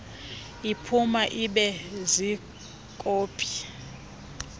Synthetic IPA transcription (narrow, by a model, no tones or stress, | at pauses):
ipʰumaʔiɓɛzi | kʼoːpʰʼi̥